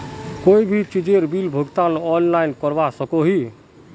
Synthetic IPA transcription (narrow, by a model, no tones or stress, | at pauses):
koːibʱit͡ʃid͡ʒeɾbilbʱoɡt̪ãnɔːnlaːɪnkəɾʋasəkoɦi